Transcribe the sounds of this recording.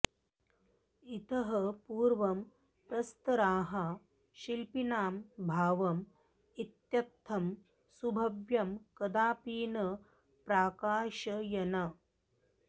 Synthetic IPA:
it̪ɐɦɐpuːɾʋɐm | pɾɐst̪ɐɾaːɦɐ | ʃilpinaːmbʱaːʋɐm | it̪jɐt̪ʰːɐm | subʱɐʋjɐmkɐd̪aːpiːnɐ | pɾaːkaːʃɐjɐnɐ

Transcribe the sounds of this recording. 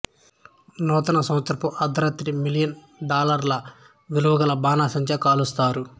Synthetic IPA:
nɔːt̪ɐnɐsɐ̃wɐt̪ːɐɾpuʔɐd̪ɐɾɐt̪ɾimilijɐn | ɖaːlɐɾlɐ | ʋiluʋɐɡɐlɐbaːnaːsɐɲt͡ʃɐkaːlust̪aːɾu

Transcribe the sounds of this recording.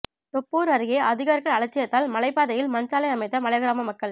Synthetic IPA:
t̪ɔpːuːɾɐɾɯɣeːʔɐðɪɣaːɾɣɐɭɐɭɐt͡ʃːɪjɐt̪ːaːlmɐlɐɪpːaːðɐjɪlmɐnsaːlɐɪɐmɐɪt̪ːɐmɐɭɐɣɪɾaːmɐmɐkːɐɭ

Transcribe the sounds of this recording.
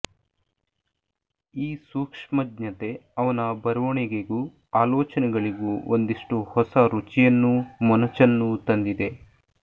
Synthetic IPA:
iːsuːkʂmɐdɲɐt̪e̞ɐʋɐnɐbɐɾɐʋɐɳiɡeɡu | aːlɔːt͡ʃɐnɛɡɐɭiɡuond̪iʂʈuhɔsɐɾut͡ʃijɐnːumɔnɐt͡ʃɐnːut̪ɐnd̪id̪e̞

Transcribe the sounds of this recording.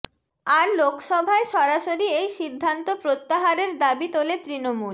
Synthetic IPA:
aɾlokʃɔbʱaeʃɔɾaʃoɾiejʃid̪ʱːant̪opɾot̪ːaɦaɾeɾd̪abit̪olet̪ɾinomul

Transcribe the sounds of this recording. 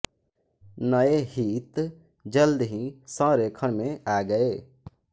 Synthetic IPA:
nəeɦiːt̪ | d͡ʒəld̪ɦĩsãːɾekʰəɽ̃mẽaːɡəeː

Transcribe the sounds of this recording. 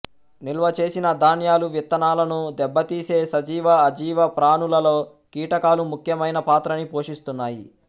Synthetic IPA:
nilʋɐt͡ʃe̞ːsinɐd̪ʱaːnjaːluʋit̪ːɐnaːlɐnud̪ɛbːɐt̪iːse̞ːsɐd͡ʒiːʋɐːd͡ʒiːʋɐpɾaːnulɐloː | kiːʈɐkaːlumukʰjɐmɐjnɐpaːt̪ɾɐnipo̞ːʂist̪unːaːjḭ

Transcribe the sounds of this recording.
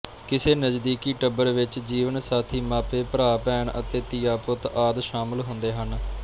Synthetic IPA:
kɪseːnəd͡ʒd̪iːkiːʈəbəɾʋɪt͡ʃd͡ʒiːʋənsaːt̪ʰiːmaːpeːpəɾaːpɛːɳʔə̰t̪eːt̪ɪjaːpʊt̪aːd̪ʃaːmɪlɦʊ̃nd̪eːɦən

